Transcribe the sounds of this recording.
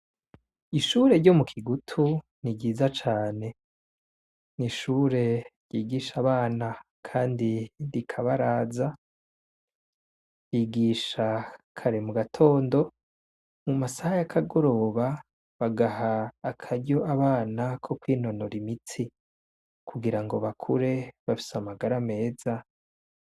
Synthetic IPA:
iʃuːɾe̞ɾɟo̞mukʰiɡutʰu | niɡɟiːzat͡ʃaːne̞ | niʃuːɾe̞ɾjiːɡiʃaβaːna | kʰaːndiɾikʰaβaɾaːza | jiːɡiːʃakʰaɾemuɡatʰo̞ːndo̞ | mumasahajakʰaɡo̞ɾo̞βa | βaɡaɦaːkʰaɾɟo̞ʔaβaːnakʰo̞kwiːno̞noɾimit͡si | kʰuɡiɾaŋɡo̞βakʰuɾe̞βafi̥samaɡaɾame̞ːza

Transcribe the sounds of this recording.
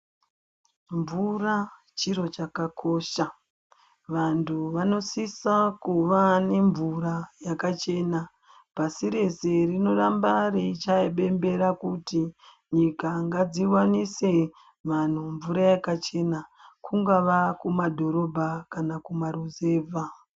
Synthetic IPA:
ɱvura | t͡ʃiɾo̞t͡ʃakako̞ʃa | ʋantʰuʋano̞sisakuʋane̞ɱvuɾajakat͡ʃe̞ːna | pasiɾe̞se̞rino̞rambarit͡ʃaiɓe̞mbe̞ɾakuti | ɲikaŋɡad͡ziwanise̞ | ʋan̤uɱvuɾajakat͡ʃe̞nakuŋɡaʋakumadʱo̞ɾo̞bʱakanakumaɾuze̞ːvʱa

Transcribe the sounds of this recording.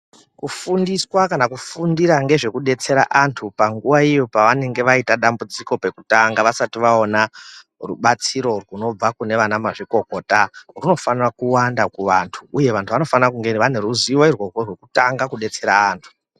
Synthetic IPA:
kufundiswakanakufundiɾaŋɡe̞ʐe̞kuɗe̞t͡se̞ɾa̰ʔantʰupaŋɡuʋaijopaʋane̞ŋɡe̞ʋaitaɗambud͡ziko̞pe̞kutaŋɡaʋasatiʋao̞na | ruɓat͡siɾo̞rwuno̞b͡vakune̞ʋanamaʐiko̞ko̞taruno̞fanirakuwandakuʋantʰuːje̞ʋantʰuʋano̞fanirakuŋɡeʋane̞ɾuziwairworwerwe̞kutaŋɡakuɗe̞t͡se̞ɾaːntʰu̥

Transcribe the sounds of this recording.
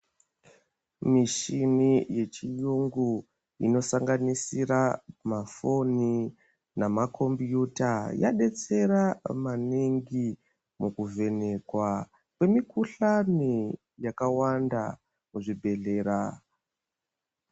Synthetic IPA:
miʃinije̞t͡ʃijuŋɡu | ino̞saŋɡanisiɾamafo̞ni | namakʰo̞mbjutaja̰ɗe̞t͡se̞ɾamaniŋɡi | mukuve̞ne̞kwa | kwe̞mikuɬani | jakawanda | muʐibʱe̞ɮe̞ːɾa

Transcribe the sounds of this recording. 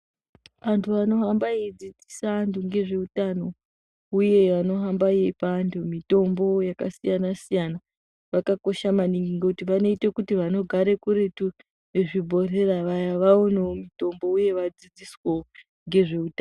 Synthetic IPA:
ʋantʰuʋano̞ɦambaed͡zid͡zisaːntuŋɡe̞ʐe̞utano̞ | uje̞ʋano̞ɦambaiepandʰumito̞mbo̞jakasijanasijana | ʋakako̞ʃamaniŋɡiŋɡekutiʋano̞itekutiʋano̞ɡʱaɾe̞kuɾe̞tu | neʐibʱo̞re̞raʋajaʋaoneomito̞mbo̞uje̞ʋad͡zid͡zisweo | ŋɡe̞ʐe̞uta

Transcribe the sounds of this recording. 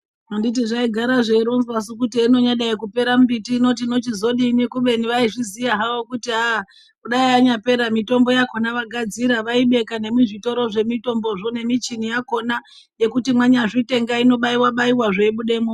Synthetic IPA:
nondit̬iʐaiɡʱaɾaʐeiɾonzwas̬ukutiino̞ɲaɗaikupe̞ɾambitiːno̞t̬ino̞tizo̞ɗinikuɓe̞niʋaiʐizijaɦawokutia | kuɗaiaɲape̞ɾamito̞mbo̞jako̞naʋaɡʱad͡ziɾaʋaiɓe̞kane̞muʐito̞ɾo̞ʐe̞mito̞mbo̞ʐone̞mit͡ʃinijako̞na | je̞kutimwaɲaʐite̞ŋɡaino̞ɓaiwaɓaiwaʐeiɓuɗe̞mo

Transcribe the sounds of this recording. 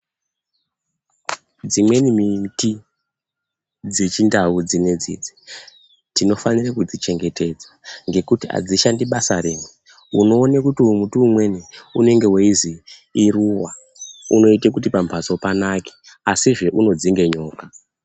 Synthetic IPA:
d͡zimwe̞nimiti | d͡zet͡ʃindaud͡zine̞d͡zḭːd͡zi̥ | tino̞fanirakud͡zit͡ʃe̞ŋɡe̞te̞d͡zwaŋɡe̞kutia̰d͡ziʃandiɓasaɾeːme | uno̞ːnekutiumutuːmwe̞niune̞ŋɡe̞weiziː | ruwa | uno̞itek̬utipambʱaso̞panake̥ | asiʐe̞ʔuno̞d͡ziŋɡe̞ɲo̞ːka

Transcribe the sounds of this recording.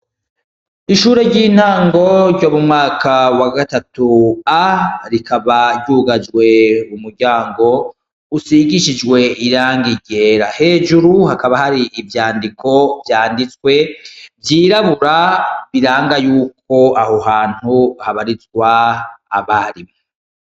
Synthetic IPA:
iʃuɾe̞ɾɟiːn̥haːŋɡo̞ɾɟo̞mumŋaːkʰawaɡatatuaɾikaβaɾɟuːɡad͡ʒɡwe̞umuɾɟaːŋɡo̞ | usiɡiʃid͡ʒwe̞ʔiɾaːŋɡiɟe̞ːɾahe̞ːd͡ʒuɾuhakaβahaɾiːvjaːndikʰo̞vjaːndit͡swe̞vjiːɾaβuɾaβiɾaːŋɡajuːk̚ʰo̞ahohaːn̥huhaβaɾizɡwaː | βaɾimo

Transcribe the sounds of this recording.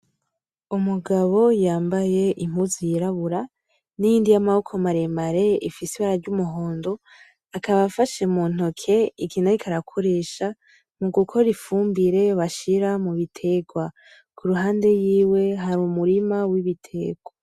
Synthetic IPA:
umuɡaβo̞jaːmbaje̞ʔim̥huzijiɾaβuɾa | nijiːndijamahokʰomaɾemaɾe̞ifisiβaɾavɟumuɦo̞ːndo̞ | akaβafaʃemuːn̥okʰe̞iɡinaɾikʰaɾakʰo̞ɾe̞ːʃa | muɡukʰo̞ɾifuːmbiɾe̞βaʃiɾamuβitʰe̞ɡwa | kʰuɾuɦaːnde̞jiːwe̞ɦaɾumuɾimawiβitʰe̞ɡwa

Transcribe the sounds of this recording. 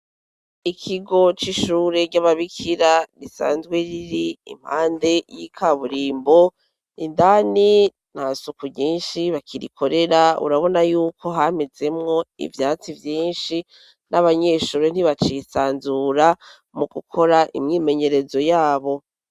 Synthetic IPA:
ikʰiɡo̞t͡ʃiʃuːɾe̞ɟaβaβikʰiɾaɡisa̰ːnzɡweɾiɾiḭm̥haːnde̞jikʰaβuɾiːmbo̞ | indaːni | n̥asukuɟiːnʃiβakʰiɾḭkʰo̞ɾe̞ɾaṵɾaβo̞najuːkʰo̞ɦamed͡ze̞mŋo̞ḭvjaːt͡sivjiːnʃi | naβaɲeːʃuːɾon̥iβat͡ʃisaːnzuɾa | muɡ̥ukʰo̞ɾaʔḭmɲiːme̞ɲe̞ɾe̞zo̞jaːβo̞

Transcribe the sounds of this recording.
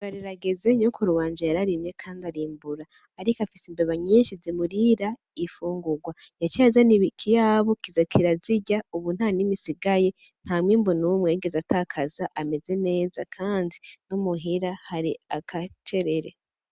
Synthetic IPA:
βaɾiɾaɡezeɲokʰoɾuβaːnd͡ʒajaɾaɾimje̞kʰaːndaɾiːmbuɾaː | ɾikafisimbeβaɲiːnʃizimuɾiɾa | ifuːŋɡuɡwajat͡ʃazaniβikʰijaːβo̞kizakʰiɾaziɟauβun̥haːnimisiɡaje̞ | n̥hamwiːmbunuwumŋe̞ːɡe̞zataːkʰazaʔame̞ze̞ne̞ːza̰kʰaːndinumuɦiɾahaɾiakʰat͡ʃe̞ɾe̞ɾe̞

